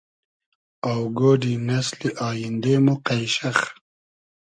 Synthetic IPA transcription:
awɡoːɖinɐsliʔɑːjɪnd̪eːmuqajʃax

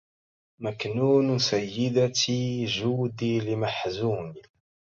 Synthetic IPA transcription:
mæknuːnusæjːɪd̪at̪iʒuːd̪ilimaħzuːni

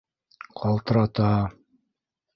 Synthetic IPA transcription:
qʰɑlˠt̪ɤ̆ɾɑt̪ɑ

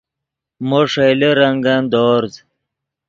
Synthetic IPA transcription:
moʂejleɾɐŋɡɐnd̪oːɾz

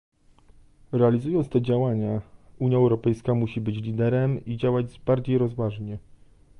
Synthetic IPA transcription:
ɾɛalʲizujɔnt̪t̪ɛd͡ʑawaɲauɲjaɛwɾɔpɛjskamuɕibɘt͡ɕlʲid̪ɛɾɛmid͡ʑawad͡ʑbaɾd͡ʑejɾɔzvaʐɲɛ

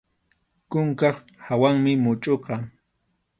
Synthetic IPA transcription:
kʊŋkɑχ | hawaŋmɪmʊt͡ʃʼoqɑ

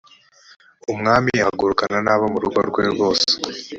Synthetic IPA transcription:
umŋaːmijahɡuɾukananaːβomuɾuɡo̰ɾɡwe̞ɾɡo̞ːse̥

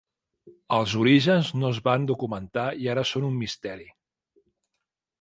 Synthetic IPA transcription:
əlˠzuɾiʒənznozβand̪ukumənt̪aiaɾəsonumːist̪ɛɾi

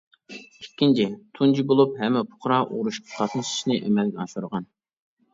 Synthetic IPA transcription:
ikʲːint͡ʃʰɪt̪ʰund͡ʒibolˠupɦɛmːɛpʰʊ̥χɾɑʔṵʁɾuʃqʰɑ̥t̪ʰɑt̪nɨʃi̥ʃnɨʔɛmɛlɡʲɛɑʃuɾəʁɑn

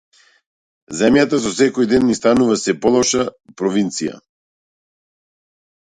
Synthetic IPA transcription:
zɛmjat̪as̬ɔsɛkɔjd̪ɛnːist̪anuvasɛpɔlˠɔʃapɾɔvint̪sija̰

